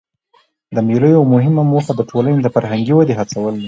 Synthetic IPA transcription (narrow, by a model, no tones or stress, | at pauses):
d̪əmeləjoamʊɦɪmamoxad̪əʈʰolaned̪əfaɾɦaŋɡiwad̪eɦat͡sawəli